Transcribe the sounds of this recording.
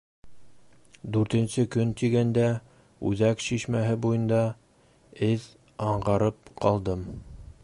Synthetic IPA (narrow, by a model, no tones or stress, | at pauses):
d̪ʉɾt̪ɘ̆nsɘkɵnt̪iɡænd̪æ | ʉðækʃiʃmæɦɘbujɤ̆nd̪ɑ | ɘð | ɑɴʁɑɾɤp̚qʰɑlˠd̪ɤm